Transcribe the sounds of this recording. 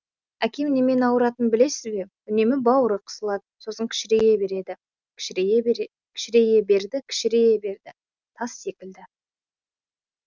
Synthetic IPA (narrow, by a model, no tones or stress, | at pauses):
ækʲʰe̞mne̞me̞nɑwəɾɑt̪ənbɪle̞sɪzbe̞ | ʏne̞mɪbɑwəɾəqʰə̥səlˠɑd̪əso̞səŋkʲʰɪ̥ʃɪɾe̞je̞be̞ɾe̞d̪ɪ | kʲʰɪ̥ʃɪɾee | kʲʰɪ̥ʃɪɾe̞je̞be̞ɾd̪ɪkʲʰɪ̥ʃɪɾe̞je̞be̞ɾd̪ɪ | t̪ʰɑsːe̞kʲɪld̪ɪ